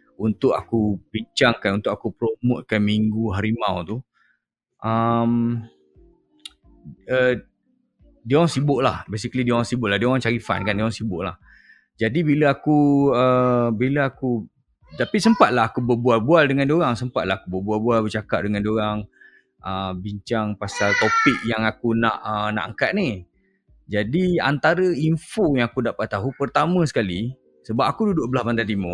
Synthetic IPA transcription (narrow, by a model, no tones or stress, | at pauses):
unt̪ʊka̰kubiɲt͡ʃaŋkanunt̪ʊk̚akupɾomʊʔ̪̚kanmiŋɡuɦaɾimãwt̪u | ʔəm | ə | dioɾaŋsibʊʔla̰hbes̬ikəlidioɣaŋsibʊʔlaɦdioɾaŋt͡ʃaɾifa̰nkandioɣaŋsibʊʔlah | d͡ʒadibiləakuəbiləaku | t̪apisəmpat̪̚laɦakubəbualbualdəŋãndioɣaŋsəmpat̪̚laakubəbualbualbərt͡ʃakaʔ̚dəŋãndioɾaŋ | ʔəbiɲt͡ʃaŋpasalt̪opiʔ̚jaŋakunãʔəna̰ʔaŋkat̪̚ni | d͡ʒadia̰nt̪aɾəiɱfojaŋakudaʔpat̪aɦupərt̪amə̃sə̥kali | səbap̚akududʊʔbəlabant̪ant̪imo